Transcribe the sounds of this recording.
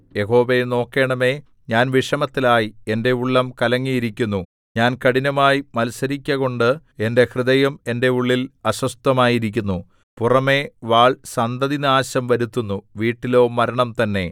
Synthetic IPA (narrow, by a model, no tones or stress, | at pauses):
je̞ɦo̞ːʋeno̞ːkːe̞ːɳɐme̞ | ɲaːnʋiʂɐmɐt̪ːilaːjie̞nde̞uɭːɐmkɐlɐŋːijiɾikʲːunːu | ɲaːnkɐɽinɐmaːjimɐlsɐɾikʲːɐɣo̞ɳɖɨ | e̞nde̞hrɨðɐjɐme̞nde̞uɭːilɐɕwɐst̪ɐmaːjiɾikʲːunːu | purɐme̞ʋaːɭsɐnd̪ɐðinaːɕɐmʋɐɾut̪ːunːuʋiːʈːilo̞ːmɐɾɐɳɐmt̪ɐnːe̞